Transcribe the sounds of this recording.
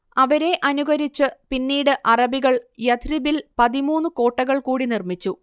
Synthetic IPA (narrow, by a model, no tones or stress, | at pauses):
ɐʋɐɾe̞ʔɐnuɣɐɾit͡ɕːɨpinːiːɽɨʔɐrɐbiɣɐɭjɐt̪ribilpɐðimuːnːɨko̞ːʈːɐɣɐɭkuːɽinirmit͡ɕːu